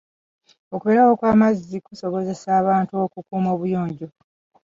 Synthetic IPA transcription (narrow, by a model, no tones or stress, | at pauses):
o̞kuβe̞ːɾawo̞kwaːmazːikuso̞βo̞ze̞saːβaːntuo̞kukuːmo̞ːβujo̞ːɲɟo̞